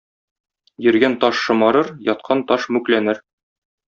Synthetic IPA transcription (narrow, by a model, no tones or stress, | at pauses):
jɘ̆ɾɡænt̪ɒʃːɤ̆mɑɾɤɾjɒt̪̚qʰɑnt̪ɒʃmʉklænɘɾ